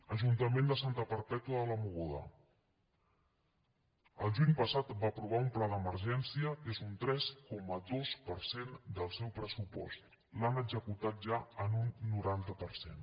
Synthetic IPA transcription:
əʒunt̪əmend̪əsant̪əpəɾpɛt̪uəðələmuɣoðə̰ | əlˠʒuɲpəsat̪bapɾuβ̞aumplad̪əməɾʒɛnsiəkezunt̪ɾɛskɔməðospəɾsend̪əlˠsɛwpɾəsupɔ̰st̪ | lanəɡzəkut̪at̪̚ʒaənunːuɾant̪əpəɾsḛn

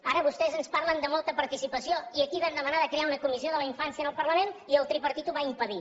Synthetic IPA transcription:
aɾəβust̪ɛzənspaɾlənd̪əmolˠt̪əpəɾt̪isipəsioiəkiβand̪əmənaðəkɾeaunəkumizioðələiɱfansiənəlˠpərləmeniəlˠt̪ɾipəɾt̪it̪uβaimpəði

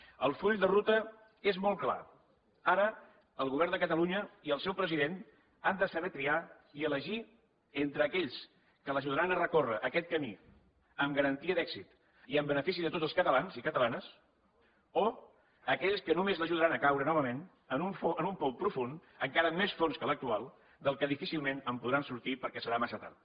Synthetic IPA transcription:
əlˠfuʎd̪ərut̪ə | ezmɔlˠkla̰ | aɾə | əlˠɣuβ̞ɛɾrnd̪əkət̪əluɲəiəlˠsɛwpɾəziðen | and̪əsəβɛt̪ɾia | iələʒi | ent̪ɾəːkɛʎs | kələʒuðəɾanərəkorəʔəkɛt̪̚kəmḭ | əmɡəɾənt̪iəðɛksit̪ | iəmbənəfis̬iðət̪ot̪d͡zzəlˠskət̪əlanzikət̪əlanəs | o | əkɛʎskənumezləʒuð̞əɾanəkawɾənɔβ̞əmen | ənuɱfoənumpɔpɾufun | əŋkaɾəmːesfonskələk̚t̪ualˠ | d̪əlˠkəðifisilˠmenəmpuðɾansuɾt̪ipəɾkɛsəɾamasət̪a̰ɾ

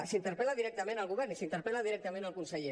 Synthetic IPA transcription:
sint̪əɾpɛlaðiɾɛk̚t̪əmẽnəlˠɣuβɛɾnisint̪əɾpɛlaðiɾɛk̚t̪əmẽnəlˠkunsəʎe

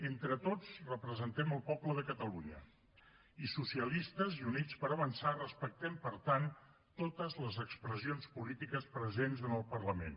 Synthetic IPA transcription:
ent̪ɾət̪ot͡srəpɾəzənt̪ɛməlˠpɔpləðəkət̪əluɲə̰ | isusiəlist̪əziunit͡spəɾəβənsarəspək̚t̪ɛmpəɾt̪an | t̪ot̪əzləzəkspɾəzionspulit̪ikəspɾəzenzənəlˠpərləmḛn

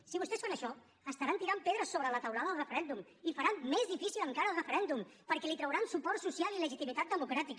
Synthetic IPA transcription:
siβust̪ɛsfanəʃɔ | əst̪əɾant̪iɾampeðɾəsoβələt̪əwlaðəðəlrəfəɾɛnd̪um | ifəɾammezðifisiləŋkaɾəːlˠrəfəɾɛnd̪umpəɾkɛlit̪ɾəwɾansupɔɾt̪susjalˠiləʒit̪imit̪at̪̚əmukɾat̪ik

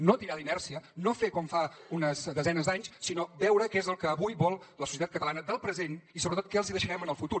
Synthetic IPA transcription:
not̪iɾaðinɛrsiənofekɔmfaunəzðəzɛnəzd̪aɲssinobɛwɾəkezəlˠkəːβujβɔlˠləsusiət̪at̪kət̪əlanəðəlˠpɾəzenisoβɾət̪ot̪̚kɛəlˠziðəʃəɾɛmənəlˠfut̪u

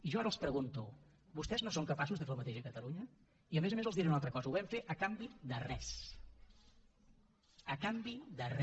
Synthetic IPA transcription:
iʒɔaɾəlˠspɾəɣunt̪u | bust̪ɛznosoŋkəpasuzðəfelˠmət̪eʒəkət̪əluɲə | iəmezəmezəlˠzðiɾeunalˠt̪ɾəkɔzəuβɛmfeʔəkambiðərɛs | əkambiðərɛ

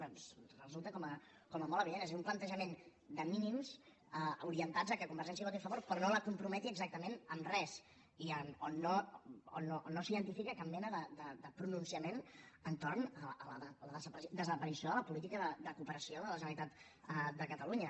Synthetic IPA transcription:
ɔnsrəzulˠt̪əkɔmə | kɔməmɔləβiðenezezumplənt̪əʒəmend̪əminimz | əuɾiənt̪ad͡zəkəkumbəɾʒɛns̬iəot̪efəβoɾpɾɔnoləkumpɾumɛt̪iəɡzak̚t̪əmenəmrɛz | iənoːoonoʔnːosiðənt̪ifikəkammɛnəðəd̪əd̪əpɾununsiəmenənt̪ornəələðələðəzəpd̪əzəpəɾisijoðələpulit̪̬ikəðəd̪əkupəɾəsioðələʒənəɾit̪at̪ | əd̪əkət̪əluɲə

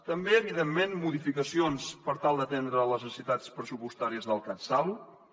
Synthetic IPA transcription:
t̪əmbeəβ̞iðemːenmuðifikəsionspəɾt̪alˠd̪ət̪end̪ɾələzənsit̪at͡spɾəzupust̪aɾiəzðəlˠkənsaβ

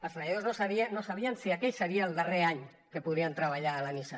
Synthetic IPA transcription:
əlˠsajaðoznosaβianosaβ̞iansiakɛʎseɾiaelˠd̪areaɲ | kepuðɾiant̪ɾaβ̞aʎaːlanisa

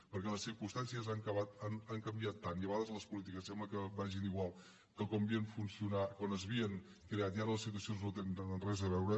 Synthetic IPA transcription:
pəɾkɛləsiɾkumst̪ansiəzaŋkəβat̪anaŋkəmbiat̪ːaniəβəɣaðəzləspulit̪ikəsɛmbləkəbaʒiniɣwalˠ | kəkɔmbieənfunsiunakwanəzβiəŋ | kɾeat̪iaɾələsit̪uəsionznot̪ennənrɛzəβɛwɾə

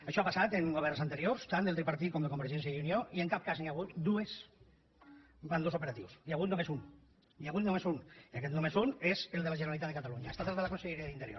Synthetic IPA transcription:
əʃɔapasat̪eŋɡoβɛɾsant̪eɾioɾst̪and̪elt̪ɾipaɾt̪it̪̚kɔmd̪ekombeɾʒɛns̬jaunioʔieŋkap̚kazniaɣut̪d̪ues | band̪osupeɾat̪ḭwsjaɣut̪numesun | jaɣut̪numezuniakɛt̪nomezunezelˠd̪elaʒəneɾalit̪at̪ðekat̪aluɲa̰est̪at̪at̪ðəlakonseʎeɾiaðint̪eɾjo̰ɾ

